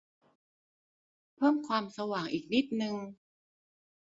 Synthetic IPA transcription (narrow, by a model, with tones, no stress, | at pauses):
pʰɤː˥˩mkʰwaː˧msa˧waː˩ŋʔiː˨˩k̚ni˦˥t̪̚nɯ˧ŋ